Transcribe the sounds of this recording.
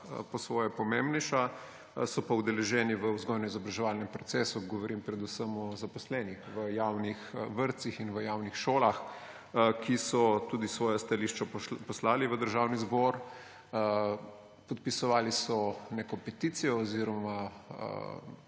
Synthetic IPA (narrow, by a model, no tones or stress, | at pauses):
pɔsʋɔːjɛpɔmembnɛjʃa | sɔpauwd̪ɛlɛʒɛːniʋəuzɡɔjnɔizɔbɾaʒɛʋaːlnɛmpɾɔt̪sɛːsuɡɔʋɔɾʔimpɾɛd̪usəmɔzapɔslɛːnixʋəjawnixʋəɾt̪sixinʋəjawnixʃoːlax | kisɔt̪uːd̪isʋɔːjɔst̪aliːʃt͡ʃɔpɔslaːliʋəd̪əɾʒaːwnizbɔɾ | pɔt̪̚pisɔʋaːlisɔnekɔpɛt̪iːt̪sijɔɔziɾɔmaə̰